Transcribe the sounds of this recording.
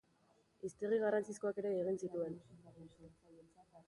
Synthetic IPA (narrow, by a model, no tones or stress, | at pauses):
ist̪eriɣ̞arant͡sisko̞ake̞ɾe̞ːɣ̞insit̪ue̞n